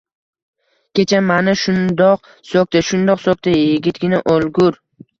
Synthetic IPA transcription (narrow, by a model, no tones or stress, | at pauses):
kʲʰe̞t͡ʃʰamanaʃʊnd̪ɒq̚ | sok̚t̪aʃʊnd̪ɒqsok̚t̪ʰajjɪɡʲɪt̪̚ɡʲɪnaʔolɡʊɾ